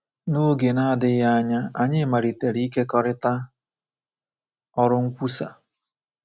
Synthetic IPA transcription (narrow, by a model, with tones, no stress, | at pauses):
no˦ɡe˨na˦dɪ˦ja˦a˦ɲa˦a˨ɲɪ˦ma˨ɾi˨te˨ɾi˦i˦ke˦kɔ˨ɾɪ˦ta˦ | ɔ˦ɾʊ˦ŋ̩˦kʷu˦sa̰˨